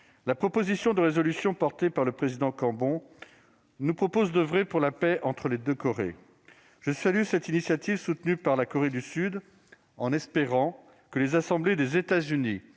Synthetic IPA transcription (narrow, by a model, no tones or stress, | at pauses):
lapχɔpozisjɔ̃d̪əʁezɔlysjɔ̃pɔʁt̪epaʁləpχezid̪ɑ̃kɑ̃bɔ̃ | nupχɔpozd̪əvʁɛpuʁlapɛʔɑ̃t̪χəled̪økɔʁḛ | ʒ̥əsalysɛt̪inisjat̪ivsut̪nypaʁlakɔʁed̪ysyd̪ | ɑ̃nɛspeʁɑ̃ | kəlezasɑ̃bled̪ezet̪azyni